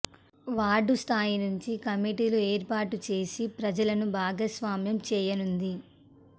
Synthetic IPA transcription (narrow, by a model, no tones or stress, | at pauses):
ʋaːɾɖust̪ʰaːjinuɲt͡ʃikɐmiʈiːlueːɾpaːʈut͡ʃe̞ːsipɾɐd͡ʒɐlɐnubʱaːɡɐsʋaːmjɐmt͡ʃɛːjɐnund̪i